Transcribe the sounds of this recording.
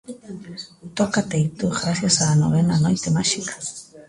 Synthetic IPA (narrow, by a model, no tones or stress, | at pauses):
t̪okat̪ejt̪uɣɾasjasano̰βenanojt̪emaʃikḁ